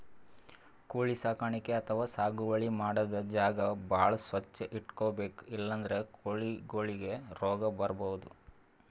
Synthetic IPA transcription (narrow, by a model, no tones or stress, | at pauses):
koːɭisaːkaːɳikeɐt̪ʰɐʋaːsaːɡuʋɐɭimaːɽɐd̪ɐd͡ʒaːɡɐbaːɭɐsʋɐt͡ʃːɐʔiʈkoːbeːkilːɐnd̪ɐɾe̞koːɭiɡoːɭiɡe̞ɾɔːɡɐbɐɾɐbɔʋud̪u